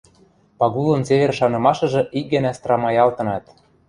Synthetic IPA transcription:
pɑɣulˠɤ̆nsevʲerʃɑnɤ̆mɑʃɤ̆ʒɤ̆ʔik̚ɡɘ̆næst̪rɑmɑjɑlt̪ɤ̆nɑt̪̚

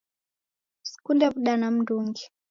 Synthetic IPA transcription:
si̥kundapuɗanam̩nduŋɡi

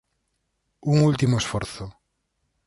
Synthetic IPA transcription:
uŋult̪imoesfoɾθo

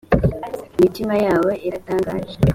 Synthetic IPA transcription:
mitimajaːwe̞ʔeɾataːŋɡa̰ːʒe

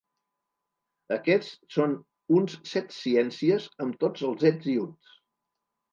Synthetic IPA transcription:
əkɛt͡sson | unssɛt̪siɛnsiəzəmt̪od͡zəlˠzɛd͡ziuns

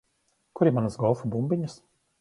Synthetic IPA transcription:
kuɾimanasɡɔlˠfubumbʲiɲas

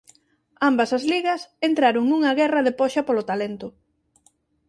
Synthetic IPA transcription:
ambɐsɐzliɣɐsent̪ɾaɾʊŋnuŋɐɣɛrɐðepɔʃɐpolʊt̪alent̪ʊ

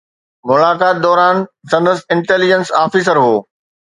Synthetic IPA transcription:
mʊlaːkaːt̪̚d̪ɔːɾaːnsɐ̃nd̪əsɪ̃ɳʈeːlɪd͡ʑənsaːfiːsəɾɦoː

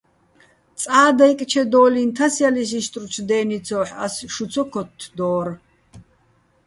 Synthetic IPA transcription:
t͡sʼaːd̪ajkʼt͡ʃʰɛd̪ɔːlint̪ʰasjalis̬iʃt̪ʼrut͡ʃʰd̪ɛːnit͡sʰɔːħa̰sʃut͡sʰɔkʰɔt̪ʰːd̪ɔːɾ

